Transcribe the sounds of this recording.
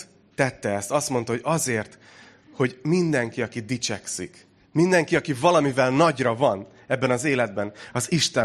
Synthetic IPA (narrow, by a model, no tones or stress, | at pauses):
t̪ɛt̪ːɛɛst̪ɒst̪mo̞nt̪ɒho̞ɟɒzeːrt̪ | ho̞ɟmind̪ɛŋkiɒkid̪it͡ʃɛksik | mind̪ɛŋkiɒkivɒlɒmivɛlnɒɟrɒvɒn | ɛbːɛnɒzeːlɛd̪̚bɛnɒziʃt̪ɛ